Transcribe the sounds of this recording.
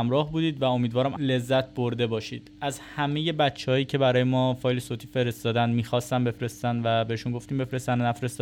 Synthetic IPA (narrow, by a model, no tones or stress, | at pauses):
mɾɒːhbuːd̪iːd̪væo̞miːd̪vɒːɾæmle̞zːæt̪̚ʰboɾd̪e̞bɒːʃḭːd̪̥ʔæzhæme̞je̞bæt̪t͡ʃʰːehɒːjiːcʰe̞bæɾɒːjemɒːfɒːjlesot̪ʰiːfe̞ɾe̞st̪ɒːd̪ænd̪miːxɒːst̪æmbe̞fɾe̞st̪ænd̪væbe̞eʃunŋɡo̞ft̪iːmbefɾest̪ænnæfɾest̪ɒ